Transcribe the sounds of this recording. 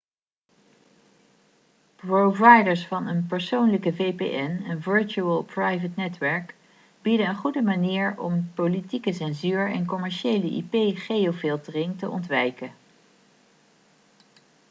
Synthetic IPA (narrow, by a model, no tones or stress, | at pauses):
provɑjdəɹsfɑnənpəɹsownləkəvejpḛʔɛnənvəɹt͡ʃuəlˠpɹɑjvətnɛtʋɛɹk | b̥idənənχudəmaniːɹɔ̰mpowlitikəsɛnzyːɹɛ̰nkɔmɛɹʃejləʔḭpejχejofɪlˠtərɪŋtəʔɔ̰ntʋɛjkə